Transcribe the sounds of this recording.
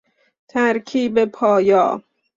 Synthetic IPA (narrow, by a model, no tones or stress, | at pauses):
t̪ʰæɾkʰiːbepʰɒːjɒ̰ː